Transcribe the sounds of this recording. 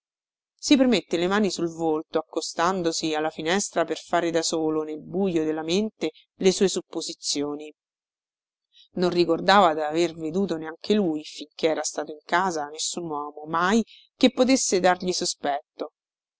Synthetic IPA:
sipermet̪ːelemaːnisulvolt̪oakːost̪and̪osialːafinɛst̪ɾaperfaːɾed̪asoːlonelbujod̪elːament̪e | lesuːesupːozit̪sːjoːni | nonrikord̪aːvad̪averved̪uːt̪oneaŋk̟ʰelujfiŋk̟eɛːɾast̪aːt̪oiŋkaːzanesːunwɔːmomaj | kepːot̪̬esːed̪arʎisospɛt̪ːo

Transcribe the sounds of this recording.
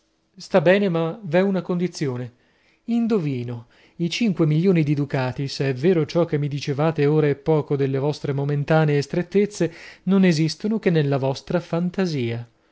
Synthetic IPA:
st̪abːɛːnemavɛunakond̪it̪sːjoːne | ind̪oviːno | it͡ʃiŋkwemiljoːnid̪ied̪ukaːt̪iseɛvːeːɾot͡ʃɔk̟ːemːid̪it͡ʃevaːt̪eoːɾaepːɔːkod̪elːevɔst̪ɾemoment̪aːneːst̪ɾet̪ːet̪sːenonezist̪onok̟enːelːavɔst̪ɾafant̪aziːa

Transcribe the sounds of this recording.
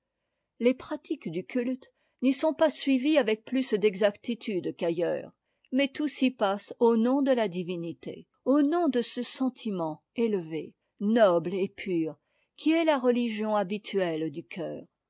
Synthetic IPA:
lepχat̪ikd̪ykʲylt̪ | nisɔ̃pasɥiviavɛk̚plysd̪ɛɡzakt̪it̪yd̪kajœ̰ːʁ | mɛt̪usipasonɔ̃d̪əlad̪ivinit̪ḛ | onɔ̃d̪əsəsɑ̃t̪ʰimɑ̃ | elve | nɔblepʰyːʁ | kʲʰiɛlaʁəliʒjɔ̃abit̪ʰyɛld̪ykʲʰœːʁ

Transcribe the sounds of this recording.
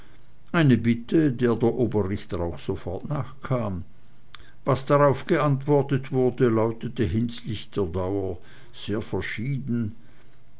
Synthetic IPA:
ʔaɪnəbɪtʰədeːɐdeːɐʔoːbɐʁɪçtəʁaʊxsofɔɐtnaːχkʰaːm | vasd̥aʁaʊfɡ̥əantv̥ɔɐtətv̥ʊɐdəlaʊtətəɦɪnslɪçd̥eːɐdaʊɐ | z̥eːɐfɛɐʃiːdn̩

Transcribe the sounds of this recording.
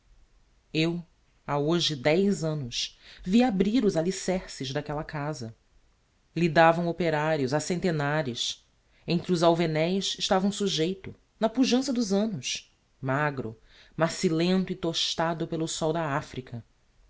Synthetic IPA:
ew | aoʒɪd̪ɛjzɐ̃nʊsviabɾiɾʊzalisɛχsɪzd̪akɛlɐkazɐ | lid̪avɐ̃w̃opeɾaɾjʊzasẽnt̪enaɾʊs | ẽnt̪ɾiʊzawvenɛjʃɪʃt̪avɐ̃w̃suʒejt̪ʊ | nɐpuʒɐ̃sɐd̪ʊzɐ̃nʊs | maɡɾʊ̰ | masilẽnt̪ʊit̪oʃt̪ad̪ʊpelʊsɔwd̪ɐafɾikʰɐ

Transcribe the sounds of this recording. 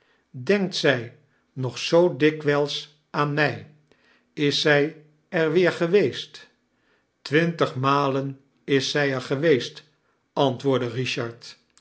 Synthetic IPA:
dɛŋk̚tsɛj | nɔχsowdɪkʋɛlˠs | ʔaːnmɛj | ɪsɛj | ɛɹʋɪːɹχəʋejst | tʋɪntəχmaːlən | ɪsːɛjɛɹχəʋejst | ɑntʋʊːɹdəriʃɑɹt

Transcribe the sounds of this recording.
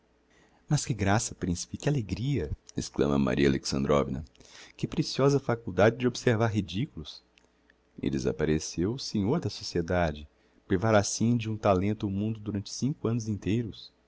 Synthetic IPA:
mɐskɪɡɾasɐpɾĩsi̥pɪkɪaleɡɾiɐesklɐ̰̃mɐ̰ma̰ɾʔiɐaleksɐ̃nd̪ɾo̰vinɐ̰kɪpɾesiɔzɐfakuwd̪ad͡ʒɪd͡ʒɪobɪseɾvaɾɦid͡ʒikulʊs | ɪ̰d̪eza̰paɾesewsẽɲoɾd̪ɐsosied̪ad͡ʒɪ | pɾivaɾasĩd͡ʒɪũt̪alẽnt̪ʊʊmũnd̪ʊd̪uɾɐ̃nt͡ʃɪ̥sĩŋkʊɐ̃nʊzĩnt̪ejɾʊs

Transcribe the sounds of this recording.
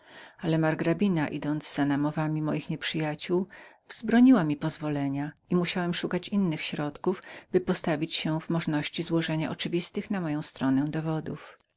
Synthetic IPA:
alɛmaɾɡɾabʲinaʔid̪ɔnd̪zz̥anamɔvamʲimɔjixɲɛpʂɘjat͡ɕuw | vz̥bɾɔɲiwamʲipɔzvɔlɛɲaimuɕawɛmʂukat͡ɕinːɘxɕɾɔt̪kuvbɘpɔst̪avʲit͡ɕɕɛvmɔʐnɔɕt͡ɕizwɔʐɛɲa̰ʔɔt͡ʂɘvʲist̪ɘxnamɔjɔ̃w̃st̪ɾɔnɛ̃d̪ɔvɔd̪uf

